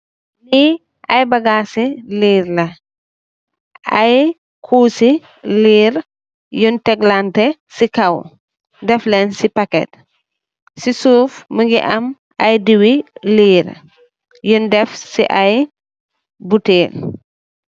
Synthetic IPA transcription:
li | ʔɐjbɐɡaːsiliːɾlɐ | ʔɐj | kʰuːsi | liːɾ | juntɛɡlantɛsikɐw | dɛflɛnsipɐkɛ̰t̚ | sisuːfməŋɡiʔɐm | ʔɐjdiwiliːɾ | jundɛfsḭʔaj | buteːl

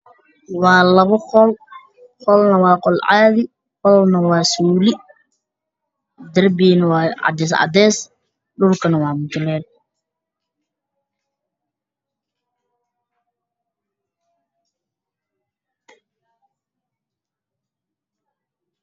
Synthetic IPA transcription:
wɑːlɐβɐqɔl | qɔlnɐwɑːqɔlʕaːðɪ | qɔlnɐwɑːsuːlɪ | d̪ɐrbiːnɐwɑːʕɑ̰d̪ɛːsʕɑ̰d̪ɛːs | ɗʊrkʰɐnɐwɑːmʊt̪ʊlɛːl

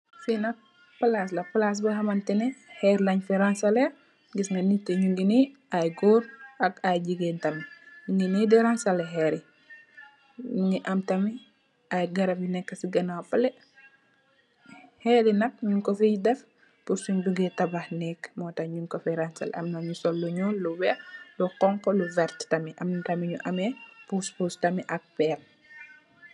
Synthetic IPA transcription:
finɐk̚ | pɐlas̬lɐpɐlas̬bɐhɐmɐntɛnɛhɛːɾlɐɲfɛɾansɐlɛ | ɡisŋaniteɲuŋɡiniʔajɡuːɾʔɐkajd͡ʒiɡɛntɐmiɲuŋɡinidɛɾansalɛɦɛɾi | ɲuŋiʔɐmtɐmi | ajɡɐɾɐbinɛkːɐsiɡɐnawpɐlɛ | hɛːɾinɐk̚ɲuŋkɔfijdɛf | puɾsuɲduɡɛtɐbahnɛkːmɔːtɐɲuŋkɔfɛɾansɐ̰lɐ̰mnɐɲusɔlːuɲɔluwɛlukɔŋkɔluvɛɾttɐmiʔɐmtɐmiɲuʔɐmɛpuspustɐmiʔɐk̚pɛːl

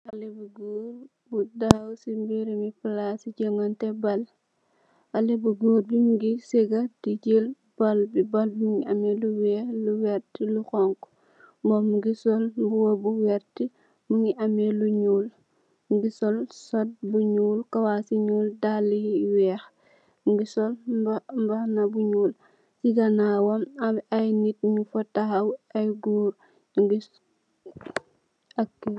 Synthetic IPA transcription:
alibuɡuːɾ | budawsimbiɾimipilasiɟemɐntɛbɐl | ɐlibuɡuːɾbimuɡiseɡɐtid͡ʒel | b̥ɐlbibɐlbmuŋiɐmeluwɛːxluwɛɾtiluxɔŋk | mɔmuɡisɔlbuwɐbuwɛɾti | muŋiʔameluɲuːl | ɡisɔlsɔt̚buɲuːlkɐwasiɲuːldaliwɛːx | ɡisɔlbmbɐnɐbuɲuːl | siɡɐnaːwɐmɐmajnit̚ɲufɐtahɐwɐjɡuːɾ | ŋɡis | akːe

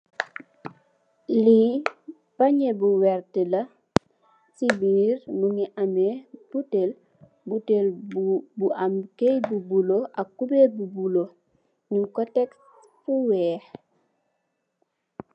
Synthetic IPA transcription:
li | paɲebuwɛɾtilɐ | sibiːɾnuŋiʔameb̥utel | butelbuamkejbubuloʔakːubebubulo | ɲuŋkɔtɛks | fuwɛːh

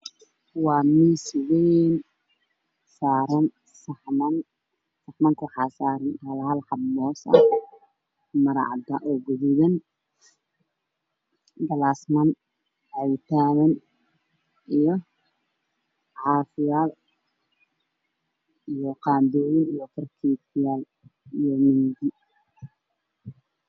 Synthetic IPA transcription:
wɑːmiswɛjn | saːɾɐn | sɐħmɐn | sɐħmɐŋkʰʊwħɑsaːɾɐnhɐlalħɑbmɔːsɐ̰ | mɐɾɑ̰ʕd̪ɐʔɔːɡʊðɪðɐn | ɡɐlaːsmɐn | ʕɛwt̪ʰaːnɐn | ʔijɔ | ʕɑːfɪjaːl | ijɔqɑːnd̪ɔːjɪnijɔt̪ʰɐrkʰiːt̪ɪjaːl | ijɔmɪnd̪ɪ

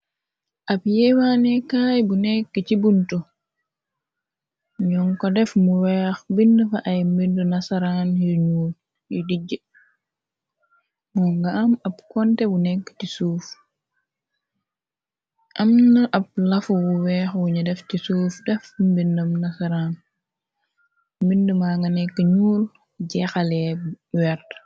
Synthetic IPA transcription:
ʔabjɛwanɛkaːjbunɛkːət͡ʃibuntu | ɲɔŋkɔdɛfmuwɛxbindəfaʔajmbindɔnasaɾanhiɲuː | jidid͡ʒə | mɔŋɡaamab̚kɔntɛbunɛkːə̥tisuːf | ʔɐmnɐʔɐb̚lɐfuwuwɛxwuɲɐdɛftisuːfdɛfmbindɐmnɐsɐɾaːn | mbindəmaːŋɡɐnɛkːəɲuːl | ɟɛxɐlɛwɛɾt

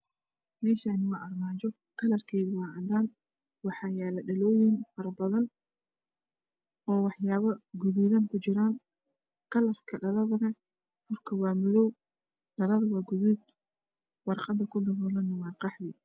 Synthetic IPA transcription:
mɛːʃanɪwɑːʔɐrmaːt͡ʃɔ | kʰɐlɐrkʰɛjðʊwɑːʕɑd̪aːn | wɑħɑːjaːlɐɖɐlɔːjɪŋfɐɾɐbɐðɐn | ɔːwɑħjaːβɐɡʊðuːðɐŋkʰʊt͡ʃɪɾaːŋ | kʰɐlɐrkʰɐɖɐlɐðɐnɐ | fʊrkʰɐwɑːmʊðɔw | ɖɐlɐðɐwɑːɡʊðud | wɑrqɑd̪ːɐkʰʊd̪ɐβɔːlɐnːɐwɑːqɑħwɪ

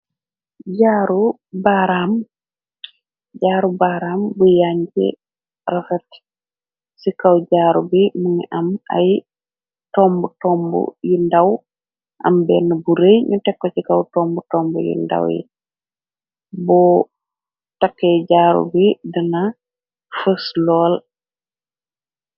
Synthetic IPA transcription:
ɟaːɾu | baɾam | ɟaːɾubaɾaːmbujaɲɟḭ | rasat | sikawɟaːɾubimuŋiʔɐma̰j | tɔmbutɔːmbṵjundɐw | ʔɐ̰mbɛːnːɐbuɾejɲutɛkːɔcikɐwtɔːmbutɔːmbṵjṵnda̰wjḭ | bɔ | takːɛɟaːɾṵbidənɐ | fəslɔːl

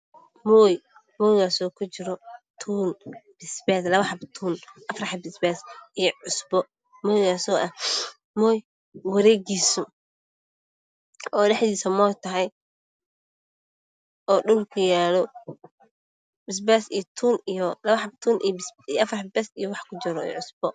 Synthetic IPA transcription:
mɔːj | mɔːjɣaːsɔːkʰʊt͡ʃɪɾɔt̪ʰuːnb̥ɪsbɛːt̪lɐβɐħɐbt̪ʰuːnʔɐfrħɐbɪsbɛːsijɔʕʊsbɔ | mɔːjɣaːsɔːʔɐh | mɔːj | wɐɾɛːɣiːsʊ | ɔːɖɛħd̪iːsɐmɔːjt̪ʰɐɦɛj | ʔɔːɖʊlkʰɐjaːlɔ | bɪs̬bɛsijɔt̪ʰuːnijɔlɐβɐħɑb̚t̪ʰuːnʔḭjbɪsjʔɐfrħbɛsijɔwɑħkʰʊt͡ʃɪɾɔḭːʕʊsb̥ɔ

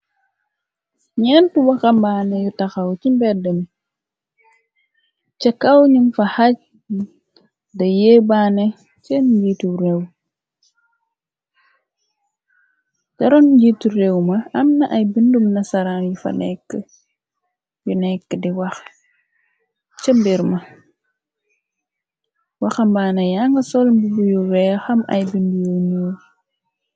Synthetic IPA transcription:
ɲɛntuwɐxɐmbaːnɛjutɐxawt͡ʃimbɛdəm | t͡ʃɛkːawɲumfɐhac̚ | dɐjebanɛ | t͡ʃɛnɟiːtuɾɛw | d͡ʒɐɾɔnɟituɾɛwmɐɐmnɐʔɐjbindumnɐsɐɾanjufɐ̰nɛkːə | junɛkːədiwɐx | t͡ʃəmbiɾmɐ | wɐxɐmbaːnɐjaŋɡɐsɔlbubujuɾɛxɐmɐ̰jbindujoɲuː

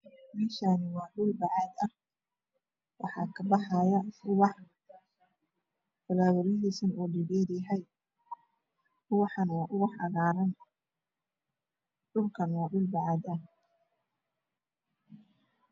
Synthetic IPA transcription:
mɛːʃaːnɪwɑːɖʊlbɑʕɑːd̪ɐh | wʔɑ̰ħɑːkʰɐbɑħɑjɐʊwɑħ | t̪ɐlaːðɔɾjɐɦiːsɐnuːɖɪɡiːdjɦɛj | ʊwɑħɑnwɑːʔʊɣʊħɑɣaːɾɐn | ɖʊlkʰɐnwɑːɖʊlbɑʕɑːd̪ɐh

